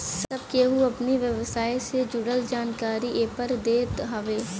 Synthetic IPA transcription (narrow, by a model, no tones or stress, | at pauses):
sɐb̚keɦuɐpniʋjəʋsaːjsed͡ʒʊɽəld͡ʒaːnkaːɾiʔeːpəɾd̪eːt̪ɦaʋeː